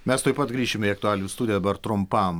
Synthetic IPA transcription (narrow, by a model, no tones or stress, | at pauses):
mʲɛst̪oɔɪpɐt̪ɡɾʲiːʃʲɪmʲiɐkt̪ʊæːlʲnʲuːst̪uːd̪ʲɪjɛd̪ɐbɐɾt̪ɾʊmpɐm